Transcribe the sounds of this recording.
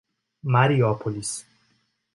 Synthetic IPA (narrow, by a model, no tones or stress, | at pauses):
maɾiɔpʰɔlis